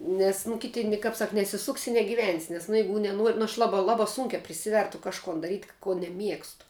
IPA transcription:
ˈnʲɛs nʊ ˈkʲɪtʲɪ nʲɪ kɐp ˈsɐk nʲɛsʲɪˈsʊksʲɪ ɪ nʲɛɡʲɪˈʋʲɛnʲsʲɪ nʲɛs nʊ ˈjɛɪɡʊ nʲɛˈnuɔrʲ nʊ ɐʃ ˈlˠɑːbɐ ˈlˠɑːbɐ sʊŋʲkʲæː pʲrʲɪˈsʲɪʋʲɛrtʊ kɐʃˈkoːn dɐˈrʲiːtʲ koː nʲɛˈmʲiɛkstʊ

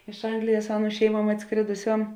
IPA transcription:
ɪʃ ˈɐŋɡlʲɪjɛs ˈɑːˌnuː ˈʃʲɛɪˌmuɔm ɐtˈskrʲeːdʊˌsʲoːm

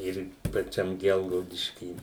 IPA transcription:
ˈɪr pɐˈt͡ʃʲɛm ˈɡʲɛlˠɡɐʊdʲɪʃʲkʲiː

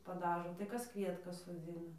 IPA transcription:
pɐˈdɑːʒoː tɐɪ ˈkɐs ˈkʋʲiɛtkɐs soːˈd͡zʲɪnɐ

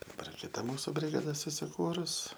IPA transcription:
dɐˈbɐr kʲɪˈtɐ ˈmuːsʊ bʲrʲɪɡɐˈdɐ sʊsʲɪˈkuːrʊs

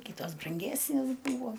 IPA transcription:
ˈkʲɪtoːs brɐŋʲˈɡʲæːsʲnʲeːs ˈbuːʋoː

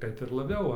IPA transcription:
ˈkɐt ɪr lˠɐˈbʲɛʊ ˈʋɐ

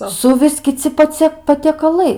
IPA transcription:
ˈsʊʋʲɪs kʲɪˈt͡sʲɪ pɐˈt͡sʲiɛ pɐtʲiɛkɐˈlˠɐɪ

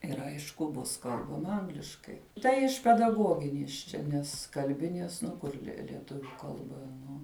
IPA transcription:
ˈɪr ˈɐɪʃkʊ ˈbʊs ˈkɐlˠbɐmɐ ˈɐŋɡlʲɪʃkɐɪ ˈtɐɪ ɪʃ pʲɛdɐˈɡoːɡʲɪnʲiɛs ˈt͡ʃʲɛ ˈnʲɛs kɐlʲˈbʲɪnʲiɛs nʊ ˈkʊr lʲiɛ lʲiɛˈtʊʋʲʊ ˈkɐlˠbɐ ˈnʊ

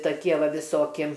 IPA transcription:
tɐˈkʲiɛ ˈʋɐ ʋʲɪˈsoːkʲɪ

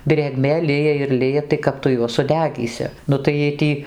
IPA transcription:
dʲrʲeːˈɡmʲeː ˈlʲɪjɛ ɪr ˈlʲɪjɛ tɐɪ ˈkɐp tʊ ˈjuɔs sʊˈdʲæːɡʲiːsʲɪ ˈnʊ tɐɪ jiɛj ˈtʲiː

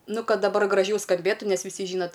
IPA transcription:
ˈnʊ ˈkɐt dɐˈbɐr ɡrɐˈʒʲɛʊ skɐmʲˈbʲeːtʊ ˈnʲɛs ʋʲɪˈsʲɪ ˈʒʲiːnɐt

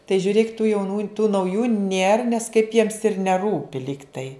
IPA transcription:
tɐɪ ʒʲʊˈrʲeːk tuː jɛʊˈnuː tuː nɐʊˈjuː nʲeːr nʲɛs kɐɪp jiɛms ɪr nʲɛˈruːpʲɪ ˈlʲiːktɐɪ

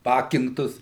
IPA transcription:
ˈpɑːkʲɪŋktʊs

